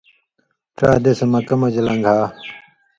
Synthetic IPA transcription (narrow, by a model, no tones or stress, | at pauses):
ʈ͡ʂa̰ːd̪esɐmɐkɐmɐd͡ʑɐlɐŋɡʱaː